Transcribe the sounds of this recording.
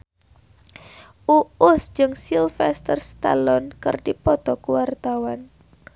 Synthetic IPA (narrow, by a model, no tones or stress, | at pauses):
ʔuʊsd͡ʒɨŋsilfɛst̪ərst̪a̰lɔnkɨ̰rdipɔt̪ɔkuwart̪awan